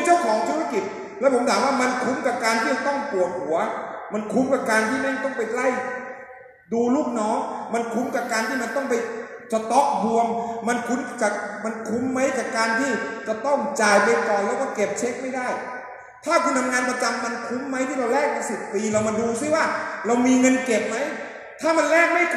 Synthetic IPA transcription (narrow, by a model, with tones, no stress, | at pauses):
t͡ɕaː˥˩wkʰɔː˨˦ŋt̪ʰuː˦˥ɾa˥˧ki˨˩t̪̚ | lɛː˦˥pʰo˩˦mʰaː˩˦mwaː˥˩ma˧nkʰu˦˥mkaː˨˩p̚kaː˧nt̪ʰiː˥˩t͡ɕa˨˩t̪ɔ˥˩ŋpu˨˩ət̪̚hu˨˩˦ɐma˧nkʰu˦˥mka˨˩p̚kaː˧nt̪ʰiː˥˩nɛ˥˩ŋt̪ɔ˥˩ŋpa˧jkla˥˩j | duː˧luː˥˩k̚nɔː˦˥ŋma˧nkʰu˦˥mka˨˩p̚kaː˧nt̪ʰiː˥˩ma˧nt̪ɔ˥˩ŋpa˧jsa˧t̪ɔ˦˥k̚bu˧əŋma˧nkʰu˦˥nt͡ɕa˨˩k̚ma˧nkʰu˦˥mːa˦˥jka˨˩p̚kaː˧nt̪ʰiː˥˩t͡ɕa˨˩t̪ɔ˥˩ŋt͡ɕaː˨˩jpe˧kɔː˨˩jlɛː˦˥kɔː˥˩ke˨˩p̚t͡ɕʰe˦˥k̚ma˥˩jdaː˥˩j | t̪ʰaː˥˩kʰu˧nt̪ʰa˧mŋaː˧npa˧t͡ɕa˧mːa˧nkʰu˦˥mːa˦˥jt̪ʰiː˥˩ɾa˧wlɛː˥˩k̚na˧˩si˨˩p̚t̪iː˧la˧wma˧nduː˧siː˥˩waː˥˩ɾa˧wmiː˧ŋɤ˧nke˨˩p̚ma˦˥j | t̪ʰaː˥˩ma˧nlɛː˥˩k̚ma˥˩